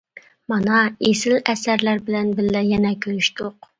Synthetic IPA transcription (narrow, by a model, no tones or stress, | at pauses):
mɑnɑesɪlɛsæɾlæɾbɪlɛnbɪlːɛjɛnɛkʲʰøɾyʃt̪ʊq